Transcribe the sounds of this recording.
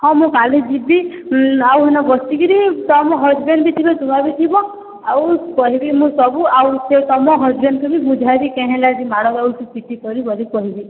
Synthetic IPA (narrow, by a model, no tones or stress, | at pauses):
hɔ̃mũkalid͡ʒibi | awɦɔnɔbɔst̪ikiɾitɔmɔɦɔd͡ʒbenbit̪ʰibɔt̪umabit̪ʰibɔ | awkɔɦibimũsɔbuawset̪ɔmɔɦɔd͡ʒbenkubibud͡ʒʱajbikɛ̃ɦɛ̃lad͡ʒimaɽɔkausutit̪ikɔɾibɔɾikɔɦibi